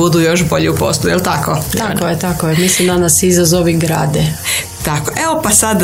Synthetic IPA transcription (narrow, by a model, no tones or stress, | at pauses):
ud̪ujo̞ʃbo̞ʎɛupo̰slˠujelt̪akot̪akojet̪akoemislimd̪anasizazo̞ʋiɡɾa̰ːd̪e | t̪akoʔeopasad̪